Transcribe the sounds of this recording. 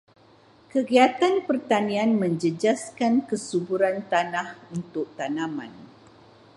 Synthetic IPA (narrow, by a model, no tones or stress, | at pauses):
kəɡiat̪anpərt̪anĩanmə̃ɲd͡ʒəd͡ʒaskankəsubuɾant̪anahunt̪ʊk̚t̪anãmã̰n